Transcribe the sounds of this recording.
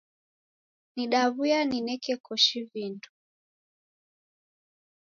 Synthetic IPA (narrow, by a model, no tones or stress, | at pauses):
niɗaβujaninɛkɛkɔʃivindu